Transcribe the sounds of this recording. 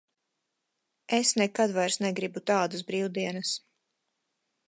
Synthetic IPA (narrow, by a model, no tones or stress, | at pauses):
esnɛkad̪vajɾsnɛɡɾibut̪aːd̪asbɾiːwd̪iɛnas